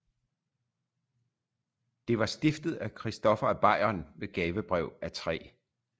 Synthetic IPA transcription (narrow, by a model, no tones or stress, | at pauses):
d̥e̝ʋɑ̈sd̥efd̥ð̞̩ˠækʰʁisd̥ɒ̽fɐb̥ɑ̈ɪ̰ɐnʋe̝ɡ̥ɛːʋəb̥ʁɛʊ̰æt͡sʰʁɛ̰ː